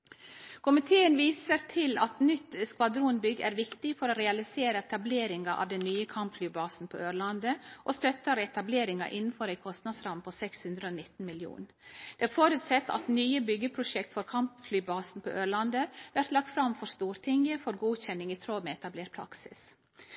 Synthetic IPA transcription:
kʰʊmɪt̪ʰeːənʋiːsəɾt̪ʰɪlɑt̪nʏt̪ːskʋɑd̪ɾuːnbʏɡæ̰ːɾʋɪkt̪ɪfɔɾoːɾɛɑlɪseːɾəɛt̪ɑbleːɾɪŋɑʔɑ̰ʋd̪ɛnːyːəkʰɑmpflyːbɑːsn̩pʰɔ̰øːɾlɑnd̪əʔɔst̪œt̪ːɑɾɛt̪ɑbleːɾɪŋɑ̰ʔɪnn̩fɔɾæɪkʰɔst̪nɑd̪sɾɑmpʰɔsɛkshʉnd̪ɾəoːnɪt̪ːn̩mɪljṵːn | d̪̥ɛæɾfoːɾʉːt̪sɛt̪ːɑ̰t̪nyːəbʏɡːəpʰɾʊʂɛkt̪fɔːɾkʰɑmpflyːbɑːsn̩pʰɔ̰ʔøːɾɭɑnd̪əʋæɾt̪lɑk̚t̪fɾɑmfɔɾst̪uːɾt̪ʰɪŋəfɔɾɡuːçɛnːɪŋiːt̪ʰɾoːmeɛt̪ɑbleːɾpʰɾɑ̰ksɪ̰s

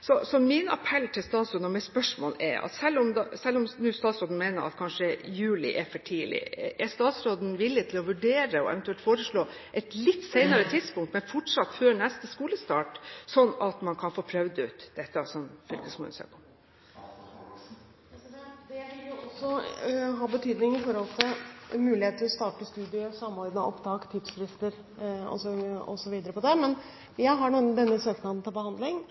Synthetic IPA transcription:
sɔsɔmɪnɑ̰pʰɛlːt̪ʰɪlst̪ɑːt̪sɾʉd̪ɔmɛɪspœʂmoːlɛ̰ɑ̰t̪sɛlːɔmd̪sɛlːɔmnʉːst̪ɑːt̪sɾoːd̪n̩mɛɪnəɾʔɑ̰t̪kʰɑnʂəjʉːlɪ̰ʔɛfɔʈʰiːlɪ̰ʔɛst̪ɑːt̪sɾoːd̪n̩ʋɪlːɪt̪ʰɪlɔʋʉɖeːɾəɔ̰ʔɛ̰ʋɛnt̪ʉɛlt̪foːɾəʂɭoː | ʔɛt̪lɪt̪ːseɪnɑɾət̪ʰɪd̪spʊŋkt̪mɛnfɔʈʂɑt̪ːføːɾɳɛst̪əskuːləst̪ɑːʈsɔnːɑt̪mɑnkʰɑnfoːpʰɾœʋd̪əʉ̰t̪d̪̥ɛt̪ːɑsɔmfʏlkəsmʊ̰nsø̰ːpɔ | ɛd̪ɛʋɪljʊɔsːɔɦɑːbət̪ʰyːd̪nɪŋɪfɔɾhɔlt̪ʰɪlmʉːlɪheːt̪ʰːɪɾɔst̪ɑːʈəst̪ʉːd̪ɪəsɑmːɔɾd̪nə̰ʔɔpt̪ɑːkt̪ʰɪd̪sfɾɪst̪əɾ | ɔ̰sɔɔ̰sɔʋiːd̪əɾəpɔd̪ɛmɛn | jæɪɦɑɳuːd̪ɛnːəsøːknɑd̪n̩t̪ʰɪlbəhɑnd̪lɪŋ

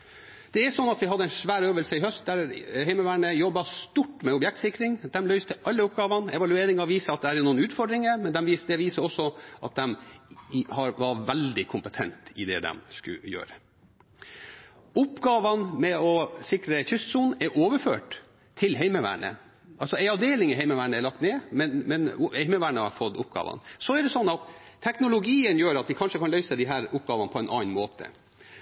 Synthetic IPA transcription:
d̪̥ɛæsɔnːɑt̪ʋɪɦɑd̪əɛɪnʂʋæːɾøːʋəlsəɪɦœst̪̚d̪æɾhɛɪməʋæːɳəjɔbːɑst̪uʈːmɛɔbjɛk̚t̪sɪkɾɪŋd̪ɛmlœʏst̪əʔɑlːəʊp̚ɡɑːʋɑnɛʋɑlʉeːɾɪŋɑʋiːsəɾɑt̪̚d̪ɛæd̪ɛnuːənʉːt̪fɔɖɾɪŋəmɛnd̪ɛmʋiːsd̪ɛʋiːsəɾɔsːɔʔɑt̪̚d̪ɛm | hɑɾʋɑʋɛld̪ɪkʰʊmpət̪ʰɛnt̪ɪd̪ɛ̰d̪ɛ̰mskʉ̰jø̰ːɾə | ʊpɡɑːʋɑnmɛɔsɪkɾəçʏst̪suːnɛɾʔoːʋəɾføːʈ | t̪ʰːɪlɦæɪməʋæ̰ːɳə̰ | ʔɑlsɔæɪɑʋd̪eːlɪŋɪɦæɪməʋæːɳəɛlɑk̚t̪neːmɛnmɛnhɛɪməʋæːɳəhɑɾfɔd̪ʊp̚ːɡɑ̰ːʋɑ̰nsɔæɖ̪ɛsɔnːɑt̪ʰːɛknʊlʊɡiːənjøːɾɑt̪ʋɪkʰɑnʂəkʰɑnlœʏsəd̪ɪɦæːɾʊp̚ːɡɑːʋɑnəpʰɔɛnʔɑ̰ːnmoːt̪ʰə̰

